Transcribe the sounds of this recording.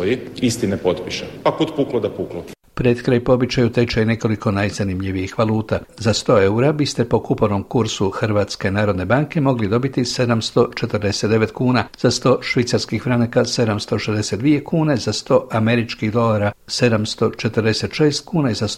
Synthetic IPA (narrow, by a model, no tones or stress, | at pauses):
ojiist̪inepot̪piʃepakut̪puklˠod̪apuklo | pɾet̪kɾajpo̞bit͡ʃajut̪e̞t͡ʃaine̞ko̞likonajzanimʎiʋijixʋalˠuːt̪azast̪o̞ːe̞uɾabist̪e̞po̞kupoɾnomkuɾsuxrɾʋat̪skenaːɾo̞d̪ne̞baŋke̞mo̞ɡlid̪o̞bit̪ise̞d̪amst̪o̞t͡ʃe̞t̪ərɾd̪e̞se̞t̪d̪e̞ʋe̞t̪kuːnaz̥ast̪o̞ʃʋit̪saɾskixfɾanakase̞d̪amst̪o̞ʃezd̪ese̞d̪d̪ʋije̞kuːne̞zast̪o̞ːʔame̞ɾit͡ʃkiɣd̪o̞laɾase̞d̪amst̪o̞t͡ʃe̞t̪əɾd̪e̞se̞t̪ʃe̞ːst̪kuːnaizas